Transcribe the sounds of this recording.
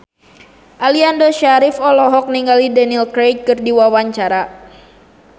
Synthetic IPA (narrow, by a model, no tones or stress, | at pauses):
ʔaliandɔʃaɾɪfɔlɔɦɔk̚niŋɡalidɛnilkɾekɨrdiwawaɲt͡ʃaɾa